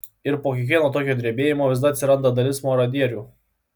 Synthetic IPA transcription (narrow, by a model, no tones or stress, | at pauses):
ɪɾpoːkʲɪk̬ʲʋʲiɛnoːt̪oːkʲoːd̪ʲɾʲiɛbʲeːjɪmoːʋʲɪsd̪ɐt̪sʲɪɾɐnd̪ɐd̪ɐlʲɪsmoɾɐd̪ʲiɛɾʲuː